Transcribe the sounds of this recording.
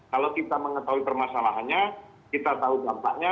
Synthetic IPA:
kalokit̪aməŋət̪aɦuipərmasalaɦanɲa | kit̪at̪audampa̰ʔɲa

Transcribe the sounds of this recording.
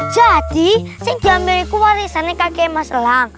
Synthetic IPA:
d̥ʒ̥ad̪̥isɪŋ̥d͡ʒ̥ambeɾikuwaɾisanekakemasəlaŋ

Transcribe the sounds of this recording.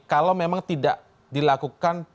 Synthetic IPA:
kalawmemaŋt̪idaʔ | dilakukan

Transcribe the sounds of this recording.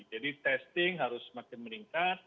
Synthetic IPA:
d͡ʒadit̪ɛst̪ɪŋɦaɾʊsmakɛməɾiŋkat̪̚

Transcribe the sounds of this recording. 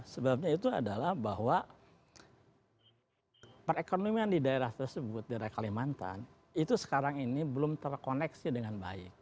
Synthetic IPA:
səbap̚ɲait̪ua̰dalahbaɦwa | pərekonomiandidaeɾaht̪ərsəbʊt̪̚daɾakalihmant̪a̰n | it̪usə̥kaɾaŋinibəlʊmt̪ərkonɛksidəŋanba̰ɪ̰k̚

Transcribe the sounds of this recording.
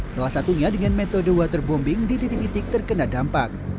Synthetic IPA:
salahsat̪uɲadəŋanmet̪odowat̪ərbɔmbɪŋdit̪it̪ik̚t̪it̪ɪk̚t̪ərkənadampak̚

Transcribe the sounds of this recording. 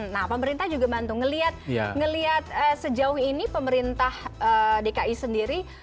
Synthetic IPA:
nahpəməɾint̪ahd͡ʒuɡamant̪ʊŋːəliat̪̚ja̰ŋəliat̪̚əsəd͡ʒaʊhinipəməɾint̪ahədekaʔisəndiɾi

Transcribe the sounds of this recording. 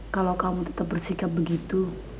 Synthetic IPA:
kalowkamut̪ə̥t̪ap̚bərsikap̚bəɡit̪u

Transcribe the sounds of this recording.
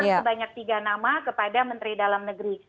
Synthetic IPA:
baɲak̚t̪iɡanamakəpadamənt̪ɾidalamnəɡɾi

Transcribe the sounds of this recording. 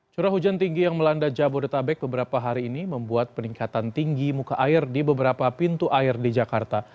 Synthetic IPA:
t͡ʃuɾaɦud͡ʒant̪iŋɡijaŋməlandad͡ʒabʊrt̪abɛk̚bəbəɾapaɦaɾiːniməmbuat̪̚pəniŋkat̪ant̪iŋɡimukaʔaɪrdibəbəɾapapint̪uʔaɪrdid͡ʒakart̪a

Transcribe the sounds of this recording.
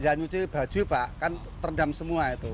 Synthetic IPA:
jaɲut͡ʃib̥a̤̥d͡ʒ̥ṳpaʔkan | t̪ərdamsəmuait̪u

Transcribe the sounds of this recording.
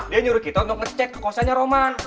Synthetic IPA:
diaɲuɾʊt̪kit̪ɔnɔk̚ŋət͡ʃɛkːə̥kosaɲaɾoman

